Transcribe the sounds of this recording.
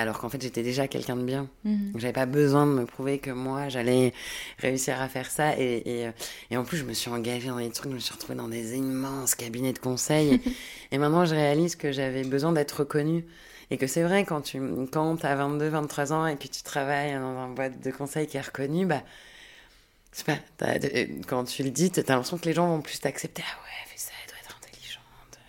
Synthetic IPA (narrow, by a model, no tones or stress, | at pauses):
alɔʁkɑ̃fɛt̪ʒet̪ɛd̪eʒakʲɛ̰lkʲɛ̃d̪əbjɛ̃kʒavɛpabəzwɛ̃d̪əməpχuvekəmwaʒalɛʁḛysiʁafɛʁsaʔeeøeɑ̃plysʒəməsɥiɑ̃ɡaʒed̪ɑ̃d̪et̪χykʒəməsɥiʁət̪χuved̪ɑ̃d̪ezimɑ̃skabinɛd̪əkɔ̃sɛjeemɛ̃t̪nɑ̃ʒəʁealizkəʒavɛbəzwɛ̃d̪ɛt̪χəəkɔny | ekəsɛvʁɛkɑ̃t̪ʰykɑ̃t̪avɛ̃nt̪̚d̪øvɛ̃nt̪ːχwazɑ̃ekət̪y̥t̪χavajd̪ɑ̃zɛ̃bwat̪̚d̪əkɔ̃sɛjkʲiɛʁəkɔnyba | ʃɛ̥pat̪a̰kɑ̃t̪ʰyləd̪it̪t̪yaɛ̃pχɛsjɔ̃kəleʒɑ̃vɔ̃plyst̪aksɛp̚t̪eawɛfɛ̥saɛld̥̪waɛt̪χɛ̃t̪ʰeliʒɑ̃t̪ə